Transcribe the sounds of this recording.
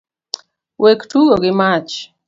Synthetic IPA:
wʔektuɡoɡɪmat͡ʃ

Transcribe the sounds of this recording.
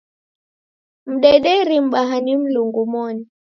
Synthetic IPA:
m̩ɗɛɗɛɾim̩ɓaɦanim̩luŋɡumɔni

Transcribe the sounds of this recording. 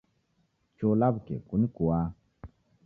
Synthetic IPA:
t͡ʃolabkḛkunikua

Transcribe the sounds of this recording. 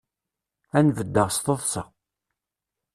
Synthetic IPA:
ænvəd̪ːəʁst̪oðˤsɑ̰ʁ

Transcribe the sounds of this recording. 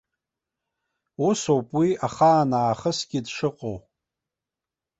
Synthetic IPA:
usowpʼwiaχaːnaːχəsɡʲɪdʂɨqʼow

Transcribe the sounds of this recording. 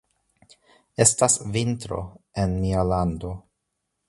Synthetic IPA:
e̞stasvintɾo̞̰e̞nmialando̞

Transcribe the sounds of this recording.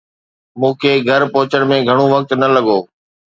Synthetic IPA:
mũːkʰeːɡʱəɾpoːt͡ɕəɽ̃mẽɡʱəɽ̃uʋək̚t̪nɐləɠoː

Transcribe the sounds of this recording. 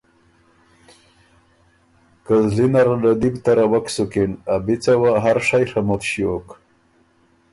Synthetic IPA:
kazlinaɾalad̪ibt̪aɾawaksukinabit͡sawaɦaɾʂajxamot̪ɕiok

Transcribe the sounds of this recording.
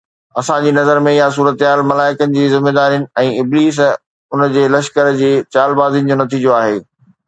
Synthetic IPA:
ɐsãd͡ʑiːnɐzəɾmẽjas̬uːɾət̪ɦaːlmɐlaːɪkənɪ̆d͡ʑiːzɪmːeːd̪aːɾijənɪ̆ɛ̃ːɪbliːs̬ | ʊnd͡ʑeːlɐʃkəɾd͡ʑeːt͡ɕaːlbaːzinɪ̆d͡ʑonɐt̪ʰiːd͡ʑijoaːɦeː

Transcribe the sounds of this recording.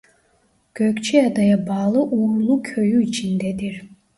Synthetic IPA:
ɡ̥ʲøkʲt͡ʃʰiad̪ajabɑːlˠɯʔumlˠukʲʰøjyit͡ʃʰind̪ɛd̪iɾ

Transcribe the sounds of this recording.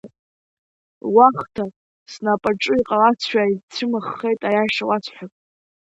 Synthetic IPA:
waχtʰa | snapʼaʈ͡ʂʼɨiqʼalat͡sʷʰaitʰɨmɨχːe̞jtʼajaʂawat͡sʷʰħʷᶣakʼ

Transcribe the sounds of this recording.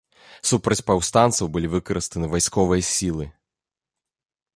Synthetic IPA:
supɾɐt͡sʲpawst̪ant̪sɐwbɨlʲivɨkɐɾɨst̪ɐnɨvajskɔvɨjɐsʲilˠɨ

